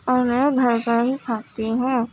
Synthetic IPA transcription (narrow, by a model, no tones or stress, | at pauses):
ɔːɾmɛ̃ɡʱɐɾkaɦikʰaːt̪iɦɛ̃ː